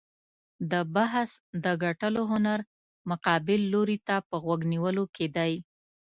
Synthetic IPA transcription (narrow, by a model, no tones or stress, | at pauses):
d̪əbaɦsd̪əɡaʈəloɦʊnaɾ | mʊqɑbɪlːoɾit̪apəɣwaɡniwəloked̪aj